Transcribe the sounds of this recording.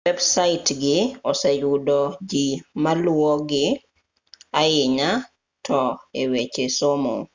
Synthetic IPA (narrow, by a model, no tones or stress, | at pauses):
wɛbsaɪtɡɪɔsɛjudɔd͡ʒimalʊɔɡɪ | aɪɲa | tʰɔewet͡ʃesomo̰